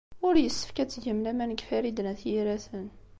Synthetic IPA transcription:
ʊɾjəsːə̥fkæt͡sːʝəmlæmænəɡfæɾid̪næθjiɾæθən

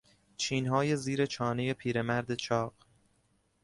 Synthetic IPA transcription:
t͡ʃʰiːnɦɒːje̞ziːɾe̞t͡ʃʰɒːne̞je̞pʰiːɾe̞mæɾd̪e̞t͡ʃʰɒːɢ

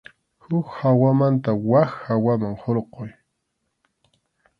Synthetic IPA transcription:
hʊkhawamant̪awaxhawamaŋhoɾqoj

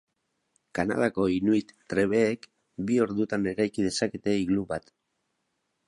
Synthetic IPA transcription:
kana̰ð̞ako̞inuit̪t̪ɾe̞β̞e̞ːk | bio̞ɾðut̪ane̞ɾajkið̞e̞sake̞t̪e̞iɣluβat̪

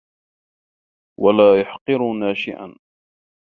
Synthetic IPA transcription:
walaːjʊħqɨɾʊnaːʃɪʔa̰n

